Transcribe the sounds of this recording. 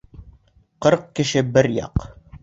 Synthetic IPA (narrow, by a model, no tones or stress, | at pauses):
qɤɾq̚kɘ̆ʃɘbɘɾjɑ̰q